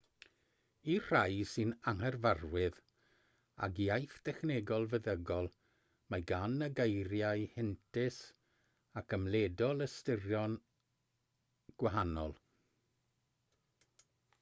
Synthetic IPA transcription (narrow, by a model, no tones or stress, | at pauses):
ir̥ajsɨnaŋhɛrvarwɪð | a̰ɡiajθd̥ɛxneɡɔlˠvəðəɡɔlˠ | majɡanːəɡejɾjaɨhɛntʰɪs | akʰəmledɔlˠəstɪrjɔn | ɡ̥waɦanɔlˠ